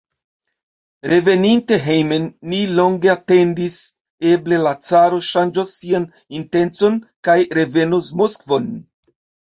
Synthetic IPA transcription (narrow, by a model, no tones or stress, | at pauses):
ɾe̞ve̞ninte̞ɦejmenːilo̞ŋɡe̞ate̞ndis | e̞ble̞lat͡saɾo̞ʃand͡ʒosːian | inte̞nt͡so̞nkajɾe̞ve̞nusmoskvo̞n